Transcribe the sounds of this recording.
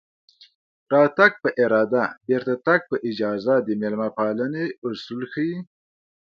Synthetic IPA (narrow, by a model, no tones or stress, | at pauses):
ɾɑt̪aɡ̚pəʔɪɾɑd̪abeɾt̪at̪aɡ̚pəʔɪd͡ʒɑzad̪əmelmapɑləneʊsulxəwi